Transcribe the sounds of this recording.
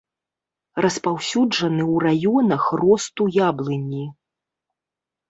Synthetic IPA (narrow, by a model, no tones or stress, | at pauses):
rɐspawsʲud͡ʐɐnɨwrajɔnɐxrɔst̪ujablˠɨnʲi